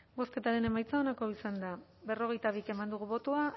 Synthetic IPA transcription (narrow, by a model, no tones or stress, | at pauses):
bo̞ske̞t̪aɾe̞ne̞majt͡saonako̞isand̪aβe̞ro̞ɣe̞jt̪aβ̞ike̞mand̪uɣuβo̞t̪oa